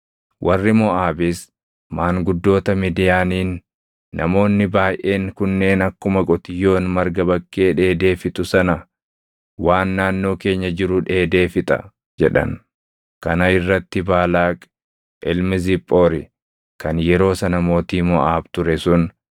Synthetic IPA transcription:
wʔɐrːɪmɔʔaːbɪs | maːŋɡʊd̪ːo̞ːt̪ɐmid̪ɪjaːniːnː | ɐmo̞ːnːɪbaːjʔe̞ːŋkʊnːe̞ːnɐkːʊmɐɡʼɔt̪ɪjːo̞ːnmɐɾɡɐbɐkːe̞ːᶑe̞ːd̪e̞ːfɪt̪ʊsɐnɐ | waːnːaːnːo̞ːke̞ːɲːɐd͡ʒɪɾʊᶑe̞ːd̪e̞ːfɪt̪ʼɐ̰ | d͡ʒɛᶑɐ̰n | kɐnɐɪrːɐt̪ːɪbaːlaːkʼ | ʔɪlmɪzɪpʼːo̞ːɾɪ | kɐnjɛɾo̞ːsɐnɐmo̞ːt̪iːmɔʔaːbt̪ʊɾɛsʊn

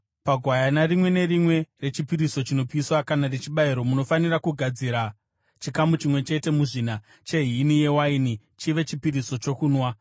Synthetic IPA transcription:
paɡʱwajanarimwe̞ne̞rimwe̞re̞t͡ʃipiɾiso̞t͡ʃino̞piswakanaret͡ʃiɓaiɾo̞muno̞fanirakuɡʱad͡ziɾa | t͡ʃikamut͡ʃimwe̞t͡ʃe̞te̞muʐina | t͡ʃe̞ɦiinije̞waini | t͡ʃiʋe̞t͡ʃipiɾiso̞t͡ʃo̞kuːnwa

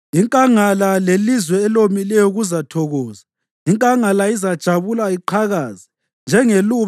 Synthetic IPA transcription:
iŋkʼaŋalalelizwɛːlomilɛjɔɣuzatʰɔɣɔːza | iŋkʼaŋalaizad̥ʒ̥ʱaβulaiǃʰaɣaːzi | nd͡ʒʱɛŋeluβ

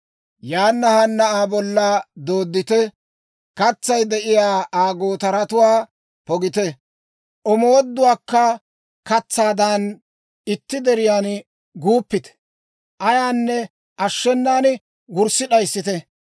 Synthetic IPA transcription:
jaːnːɐhɐnːɐʔaːbɔlːɐd̪o̞ːd̪ːɪt̪ɛ | kɐt͡sːɐjd̪ɛʔɪjaːʔaːɡoːt̪ɐɾɐt̪ʊwaː | pɔɡɪt̪ɛ | ʔɔmowɔd̪ːʊwaːkːɐ | kɐt͡sːaːd̪ɐn | ɪt̪ːɪd̪ɛɾɪjaːn | ɡuːpːɪt̪ɛ̥ | ʔɐjaːnːɛ | ʔɐʃːɛnːaːn | ɡʊɾsɪɗɐjsːɪt̪ɛ

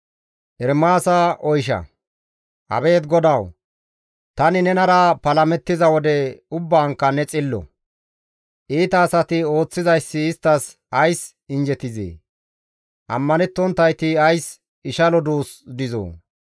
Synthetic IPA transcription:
ʔɛɾmaːsɐʔɔjʃ̬ɐ̰ | ʔɐ̰be̞ːt̪ɡɔd̪ɐw | t̪ɐnɪnɛnɐɾɐpɐlɐmɛt̪ːɪzɐwɔd̪ɛʊbːaːŋkːɐnɛt͡sʼɪlːɔ̰ | ʔiːt̪ɐːsɐt̪ɪo̞ːt͡sːɪzɐjsːɪːst̪ːɐs | ɐjs | ɪnd͡ʒɛt̪ɪzḛː | ʔɐ̰mːɐnɛt̪ːɔnt̪ːɐjt̪ɪɐjs | ɪʃɐlɔd̪uːsd̪ɪzo̰ː

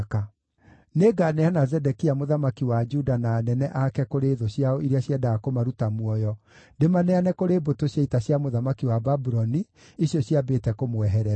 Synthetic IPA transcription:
ka | neɡaneanazɛdɛkiamoðamakiwad͡ʒudanaːnɛnɛʔakɛkoɾeðoɕjaɔiɾeaɕjɛdakomaɾutamwɔjɔ | demanɛanɛkoɾeːbotoɕjaitaɕjamoðamakiwababuɾɔni | iɕjɔɕjabetɛkomoɛɦɛɾɛ

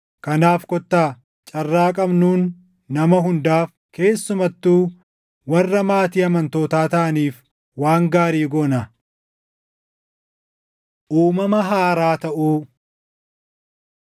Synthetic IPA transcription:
kɐnaːfkɔt̪ːaː | t͡ʃʼɐrːaːkʼɐbnuːnː | ɐmɐɦʊnd̪aːf | ke̞ːsːʊmɐt̪ːuː | wɐrːɐmaːt̪iːɐmɐnt̪oːt̪aːt̪ɐʔɐniːf | waːŋɡaːɾiːɡoːnɐ | ʔuːmɐmɐɦaːɾaːt̪ɐʔuː

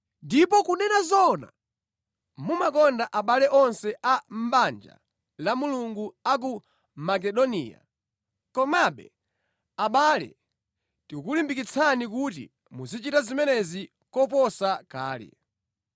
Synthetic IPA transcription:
ndip̬ɔkunɛnazɔna̰ | mumakɔndaʔaɓalɛʔɔnsɛʔam̩ɓand͡ʒa̰ | lamuluŋɡuak̬u | mak̬ɛɗɔnḭːja̰ | kɔmaɓɛ̰ | aɓalɛ̰ | tikukulimbikit͡sʰanik̬utḭ | muzit͡ʃitazimɛnɛzi | kɔp̬ɔsaka̰ːlɛ̰

